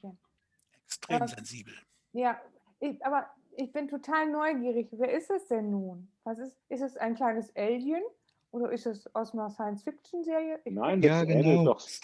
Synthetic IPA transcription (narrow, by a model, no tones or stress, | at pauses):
ɛn | ʔɛkstʁ̥eaːɐɛnziːbl̩ | jaː | ʔɪʔaːbɐ | ʔɪçb̥ɪntʰotʰaːlnɔʏɡiːʁ̞ɪçveːɐɪstɛsd̥ɛnːuːnv̥asɪsʔɪstɛsa̰ɪnkl̥aɪnəsʔɛljən | ʔoːɾɐʔɪstasʔaʊsmanɐsaɪənsfɪk̚t͡ʃn̩zeːʁijəʔɪnaɪnjaːɡəɛndəʊdɔχ